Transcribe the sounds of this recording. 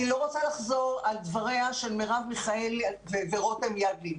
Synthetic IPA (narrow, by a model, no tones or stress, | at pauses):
ilo̞ʁot͡salaχzo̞ʁald̪vaʁe̞aʃelmeʁavmiχaelveveʁo̞t̪emjad̪li